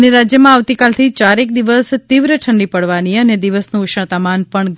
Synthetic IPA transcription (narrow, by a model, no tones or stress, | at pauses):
neɾad͡ʒjəmãaʋt̪ikalt̪ʰit͡ʃaɾek̚d̪iʋəst̪iʋɾəʈʰəɳɖipəɽʋaniəned̪iʋəsnũʃə̃t̪amanpəɳɡ